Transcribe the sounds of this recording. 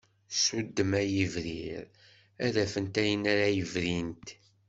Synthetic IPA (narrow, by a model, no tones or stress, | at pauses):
sud̪ːəmæjivɾiɾ | æðæfənt̪æjənæɾajəvɾint̪